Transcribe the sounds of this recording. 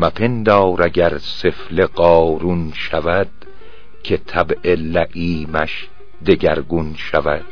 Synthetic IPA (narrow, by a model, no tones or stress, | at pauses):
mæpʰe̞nd̪ɒːɾæɡæɾse̞fle̞ɢɒːɾunʃævæd̪̥ | kʰe̞t̪ʰæbʔelæʔiːmæʃ | d̪e̞ɡæɾɡunʃævæd̪̥̚